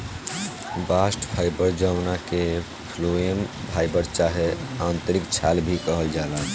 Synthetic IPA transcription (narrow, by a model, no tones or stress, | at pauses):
basʈpʰajbəɾd͡ʒəwnake | pʰloembʱajbəɾt͡ʃaɦeant̪əɾikt͡ʃʰalbʱikəɦəld͡ʒala